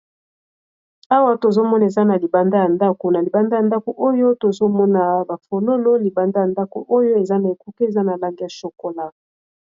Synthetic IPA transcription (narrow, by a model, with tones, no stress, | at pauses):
a˦wa˦to˨zo˦mɔ˦na˨e˨za˦na˨li˨ba˨nda˦ja˨nda˦ko˨na˨li˨ba˨nda˦˨a˨nda˦ko˨ʔo˦jo˦to˨zo˦mɔ˦na˨ba˨fo˨lo˦lo˦li˨ba˨nda˦ja˨nda˦ko̰˨ʔo˦jo˦e˨za˦na˨e˨ku˦ke˦e˨za˦na˨la˦ŋɡe˦a˨ʃo˨ko˨la˦